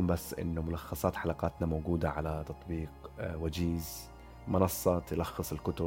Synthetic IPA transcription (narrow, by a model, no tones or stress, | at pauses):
uːmbasːʔɪ̰nːʊmʊlɑxːɑsˤɑːt̪ħalɑqɑːt̪namoːɡuːd̪aʕalat̪ɑt̪ˤbiːqwad͡ʒiːz | mɑnɑsˤːɑt̪jlɑxːɨsˤɪlkʊt̪ʊ